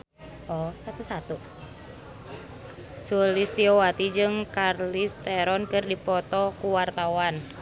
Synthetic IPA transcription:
ʔɔsat̪usat̪u | sulist̪iɔwat̪id͡ʒɨŋkarlist̪ɛɾɔnkɨrdipɔt̪ɔkuwart̪awan

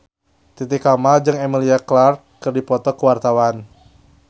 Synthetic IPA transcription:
t̪it̪ikamald͡ʒɨŋɛmiliaklarkkɨrdipɔt̪ɔkəwart̪awan

